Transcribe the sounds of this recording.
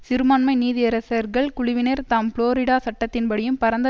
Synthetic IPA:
sɪɾɯmɐːnmɐɪniːðɪɐɾɐsɐɾɣɐɭkʊɻɪʋɪnɐɾt̪aːmfɭoːɾɪɽaːsɐʈːɐt̪ːɪnpɐɽɪjɯmpɐɾɐnd̪ɐ

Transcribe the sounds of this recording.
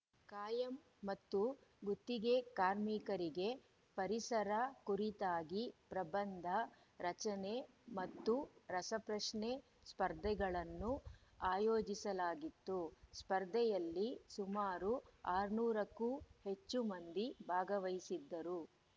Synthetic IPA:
kaːjɐmː | ɐt̪ːuɡut̪ːiɡe̞kaːɾmikɐɾiɡe̞ | pɐɾisɐɾɐkuɾit̪aːɡipɾɐbɐnd̪ʱɐ | ɾɐt͡ʃɐne | mɐt̪ːuɾɐsɐpɾɐʂɳe | spɐɾd̪ʱɛɡɐɭɐnːuaːjoːd͡ʒisɐlaːɡit̪ːuspɐɾd̪ʱɛjɐlːisumaːɾuaːɾnuːɾɐkːuhe̞t͡ʃːumɐnd̪ibʱaːɡɐʋɐjisid̪ːɐɾu

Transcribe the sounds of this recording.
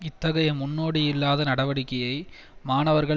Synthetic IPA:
ɪt̪ːɐɣɐjɐmʊnːoːɽijɪlːaːðɐnɐɽɐʋɐɽɪkːɐjɐɪ | maːnɐʋɐɾɣɐ

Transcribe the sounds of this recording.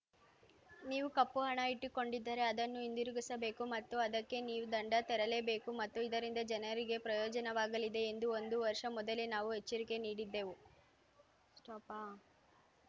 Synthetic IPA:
niːʋukɐpːuɦɐɳɐiʈːiko̞ɳɖid̪ːaːɾe̞ɐd̪ɐnːuind̪iɾuɡisɐbe̞ːkumɐt̪ːuɐd̪ɐkːe̞niːʋud̪ɐɳɖɐt̪ɛɾɐle̞ːbe̞ːkumɐt̪ːuid̪ɐɾind̪ɐd͡ʒɐnɐɾiɡe̞pɾɐjɔːd͡ʒɐnɐʋaːɡɐlid̪e̞ːnd̪uond̪uʋɐɾʂɐmɔd̪ɐlenaːʋuɦet͡ʃːɐɾike̞niːɽid̪ːe̞ːʋu | sʈɐpaː

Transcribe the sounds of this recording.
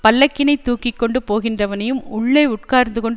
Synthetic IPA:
pɐlːɐkːɪnɐɪt̪ːuːkːɪkːɔɳɖɯpoːɣɪndrɐʋɐnɐjɯmʊɭːɐɪʊʈ̚kaːɾnd̪ɯkɔɳɖ

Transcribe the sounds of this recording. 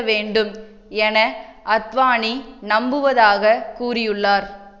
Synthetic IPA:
ʋeːɳɖɯm | ɛnɐʔɐt̪ʋaːɳinɐmbɯʋɐðaːɣɐkuːrɪjɯɭːaːɾ

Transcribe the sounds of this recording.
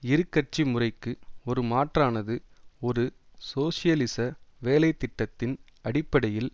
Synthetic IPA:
ɪɾɯkːɐʈ̚t͡ʃimʊrɐɪkːɯɔɾɯmaːʈraːnɐðɯɔɾɯ | soːsɪjɐlɪsɐʋeːlɐɪt̪ːɪʈːɐt̪ːɪnɐɽɪpːɐɽɐjɪl

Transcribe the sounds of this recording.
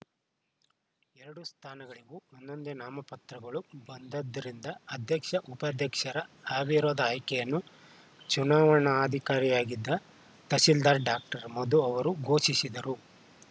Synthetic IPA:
ɛɾɐɽust̪ʰaːnɐɡɐɭiɡuond̪o̞nd̪enaːmɐpɐt̪ɾɐɡɐɭubɐnd̪ɐd̪ːɐɾind̪ɐɐd̪ʱjɐkʂɐʔupɐd̪ʱjɐkʂɐɾɐaːbʱiɾoːd̪ɐaːjkɛjɐnːu | t͡ʃunaːʋɐɳɐːd̪ʱikaːɾijaːɡid̪ːɐ | t̪ɐsild̪aːɾɖaːk̚ʈɐɾɐmɐd̪uɐʋɐɾuɡʱo̞ːʃisid̪ɐɾu

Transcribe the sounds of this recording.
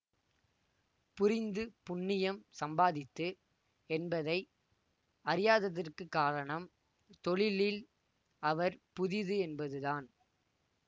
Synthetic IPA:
pʊɾɪnd̪ɯpʊɳːɪjɐmsɐmbaːðɪt̪ːɯ | ɛnbɐðɐɪ | ɐɾɪjaːðɐðɪrkɯkːaːɾɐɳɐm | t̪ɔɭɪlɪl | ɐʋɐɾpʊðɪðɯɛnbɐðɯðaːn

